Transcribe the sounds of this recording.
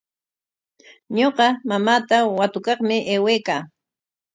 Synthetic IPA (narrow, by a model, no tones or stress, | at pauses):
ɲoqɑmamaːt̪awat̪ʊkɑχmɪʔeːweːkaː